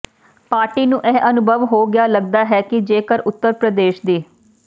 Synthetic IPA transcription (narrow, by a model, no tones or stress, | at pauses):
paːɾʈiːnũːʔɛːʔənʊbʱəʋɦoːɡɪjaːləɡ̚d̪aːɦɛːkɪd͡ʒeːkəɾʊt̪ːəɾpɾəd̪eːʃd̪iː